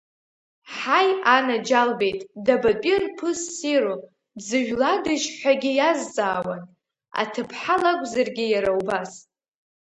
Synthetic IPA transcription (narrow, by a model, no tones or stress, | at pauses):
ħajanad͡ʒalbe̞jtʼdabapʼɪnpʰɨsːiɾo | zɨʒᶣladɨʒħʷᶣaɡʲɪjazt͡sʼaːwan | a̰tʰɨpʰħalakʷʼzarɡʲɪjaɾawbas